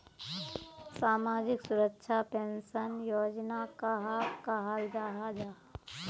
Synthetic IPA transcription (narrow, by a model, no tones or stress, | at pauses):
saːmaːd͡ʒɪksʊɾəkʃʰapẽnsənjoːd͡ʒnakaɦakaɦald͡ʒaːɦad͡ʒaː